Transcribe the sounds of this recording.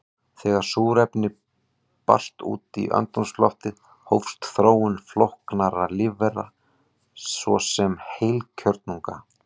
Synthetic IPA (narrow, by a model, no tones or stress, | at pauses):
θɛːɣaɾ̥suːɾɛpnɪ | pa̰r̥st̪ṵːt̪ḭʔœ̰nt̪ɔnslɔht̪ɪð | howfst̪θɾoːwʏnflohknaɾalɪvɛra̰ | svɔ̰sɛmhejlcʰœɾt̪̚nuŋka̰